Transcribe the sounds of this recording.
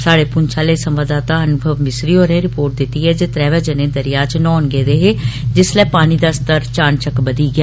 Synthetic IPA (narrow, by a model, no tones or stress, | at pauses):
saːɽeːpʊnt͡ʃʰaːleːsəmʋaːd̪aːt̪aːənʊbʱəʋmɪsɾiːoːɾẽːɾɪpoːɾʈ̚d̪ɪt̪ːiːɦɛːd͡ʒeːt̪ɾɛːʋɛːd͡ʒənẽːd̪əɾɪjaːt͡ʃnɔːnɡeːd̪eːɦeːd͡ʒɪslɛːpaːñiːd̪aːst̪əɾt͡ʃaːɳt͡ʃəkbəd̪iːɡɪjaː